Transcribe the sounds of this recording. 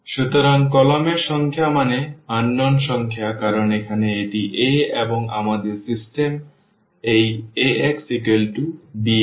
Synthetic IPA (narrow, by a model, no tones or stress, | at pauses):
ʃut̪oɾaŋkɔlomeɾʃɔŋkʰjamaneanːonʃɔŋkʰeakaɾonekʰaneeʈiʔeeboŋa̰mad̪eɾsisʈem | ejeeksikelʈubi